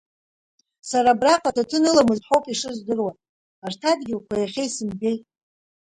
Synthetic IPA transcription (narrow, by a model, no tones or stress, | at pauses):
saɾabraqʼatʰatʰɨnɨlamɨzħʷowpʼiʂɨzdɨrwan | artʰadɡʲɪlkʷʰajaχʲejsɨmbʲe̞jtʼ